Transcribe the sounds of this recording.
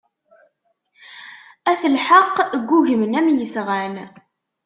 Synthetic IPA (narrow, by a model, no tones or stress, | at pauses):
æθəlħəqːɡʷːuʝəmənæmjəsʁæn